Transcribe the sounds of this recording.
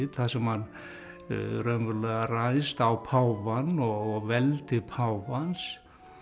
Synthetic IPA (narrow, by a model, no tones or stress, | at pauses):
θaðsɛmhan | ɾœmvʏɾlɛɣarajst̪awpʰawvanɔɣɔɣvɛlt̪ɪɾpʰawvans